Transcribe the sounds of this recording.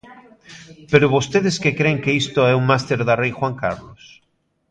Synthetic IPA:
peɾʊβost̪eðɪskekɾeŋkeist̪oɛuŋmast̪eɾðarejxwaŋkaɾlos

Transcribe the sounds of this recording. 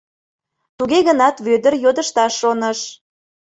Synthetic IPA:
t̪uɣeɣənɑt̪βød̪ərjod̪əʃt̪ɑʃːonəʃ

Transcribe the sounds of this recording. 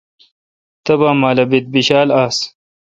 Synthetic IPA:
t̪ɐbaːmaːlɐbit̪̚biɕaːlaːs

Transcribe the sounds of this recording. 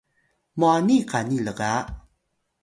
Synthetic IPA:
muanikaniləɡa

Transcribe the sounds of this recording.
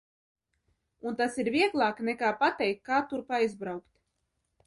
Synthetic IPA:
unt̪asiɾviɛɡlˠaːknɛkaːpat̪ɛjkkːaːt̪uɾpajzbɾawkt̪ʲ

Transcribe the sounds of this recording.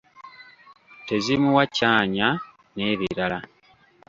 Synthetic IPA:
te̞zimuwacaːɲa | ne̞ːβḭɾala

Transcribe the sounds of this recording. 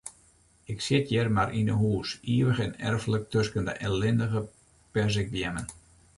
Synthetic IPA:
ɪksɪtʰjɛrmarʔinə̰ɦuːsiəʋəɣɛnɛ̰rfələk̚tøskəndə̰ʔɛlɪndəɣə | pɛrs̬ɪk̚bjɛmən

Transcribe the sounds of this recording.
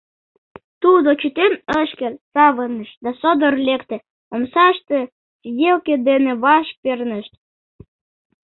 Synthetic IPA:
t̪ud̪ot͡ɕut̪enəʃkelsɑβənəʃd̪ɑsod̪ərlekt̪ĕ | omsɑʃt̪e | sid̪ʲelked̪eneβɑʃk̚pernəʃt̪

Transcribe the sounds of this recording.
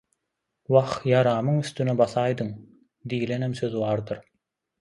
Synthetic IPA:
wɑχjɑɾɑːmɯŋyst̪ynebɑθɑːjd̪ɯŋ | d̪iːle̞nemsøðβɑːɾd̪ɯɾ

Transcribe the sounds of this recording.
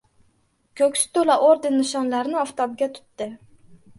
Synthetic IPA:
kʲʰɵkʲsɪ̥t̪ʰolaʔoɾd̪ɪnːɪʃɒnlaɾnɪɒft̪ɒb̚ɡʲat̪ʰʊ̥t̪ːɪ

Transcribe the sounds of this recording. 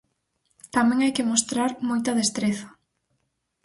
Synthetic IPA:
t̪amẽŋajkɪmost̪ɾaɾmojt̪ɐðest̪ɾeθɐ̥

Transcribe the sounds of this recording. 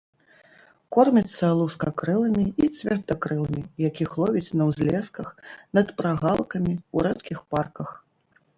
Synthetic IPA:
kɔrmʲit̪sːɐlˠuskɐkɾɨlˠɐmʲiit̪sʲvʲɛrd̪ɐkɾɨlˠɐmʲijakʲixlˠɔvʲit͡sʲnɐwzʲlʲɛskɐxnɐt̪pɾaɣalˠkɐmʲiuɾɛt̪kʲixparkɐx

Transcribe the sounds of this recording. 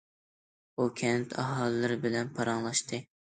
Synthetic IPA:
ukʲʰɛnt̪ʰɑɦɑlˠɨːɨɾɪbɪlɛnpʰɑɾɑŋlˠɑʃt̪ʰɨ

